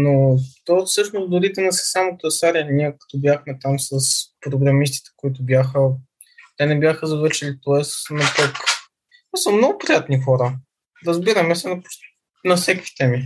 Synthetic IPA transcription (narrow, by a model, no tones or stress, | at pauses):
not̪ɔfsɤʃnozd̪ʊɾit̪ɛnɐsɛ̥samot̪ɛsaɾʲiniɛkɐ̥t̪ɔbjaxmɛt̪amsəspɾoɡɾɐmist̪i̥t̪ɛ̥koit̪̬ʊbjaxə | t̪ɛnɛbʲjaxəzɐvɤɾʃɛlit̪oɛsnɐpok̪ | ɛsəmnɔɡʊpɾʲijat̪nixɔɾə | ɾəzbiɾɐmɛsɛnɐp | nɐfsɛkvi̥t̪ɛmi